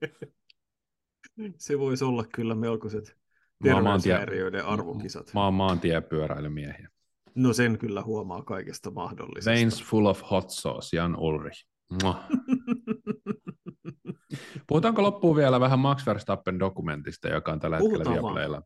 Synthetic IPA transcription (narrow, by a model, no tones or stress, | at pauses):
seʋoisolːɑkkylːæmelkoset̪ | tmerɑeːnt̪æriøideʔɑrʋo̰kisɑ̰t̪mɑːmmːɑːnt̪iæpyøɾæ̰ilymiɛhiæ | noseŋkylːæhuɑmɑːkɑikest̪ɑmɑhdo̰lːḭseinsfulofhot̪so̰ːsiɑnulri | o | puhut̪ɑːŋkolopːuːʋiælæʋæɦæmmɑksʋerst̪ɑpːendokument̪ist̪ɑ̰jo̰kɑont̪ælːæhekkelːæiɑlḛilːæ